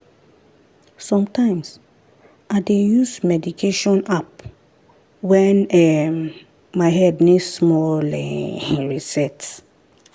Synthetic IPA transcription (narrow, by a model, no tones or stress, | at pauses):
sɔ̃mtãɪ̃ms | ʔadejusmɛdikʰeʃɔ̃nap̚ | wɛnɛmː | aɪɦɛdnismɔlɛɹisɛts